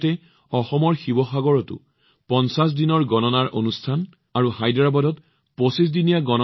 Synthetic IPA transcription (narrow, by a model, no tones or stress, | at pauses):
tɛ | ɔxɔmɔɹxibɔxaɡɔɹɔtʊ̰ | pɔnsas̬dinɔɹɡɔnɔnaɹʔonustʰan | aɹuhajdɹabɔdɔt | posis̬dinijaɡɔnɔ